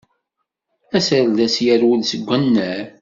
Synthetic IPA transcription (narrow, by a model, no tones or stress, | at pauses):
æsəɾðæsjæɾwəlsəɡʷːənːəɾ